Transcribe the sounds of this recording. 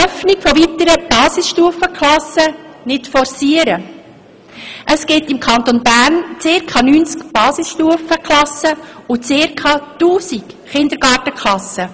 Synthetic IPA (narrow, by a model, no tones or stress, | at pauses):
œfnɪkfɔvit̪əɾəb̥ɑːsisʃtuəfəkχlɑsə | nɪtfɔrsiːəɾə | ʔəsɡɪtɪmkʰɑnt̪onbæːɾnt͡sɪɾkʰɑnyːnt͡skb̥ɑːsisʃtuəfəkʰlɑsːəʊt͡sɪːɾkʰɑːtuːsik | χɪnd̪əɾɡ̥ɑːrtəkχlɑsə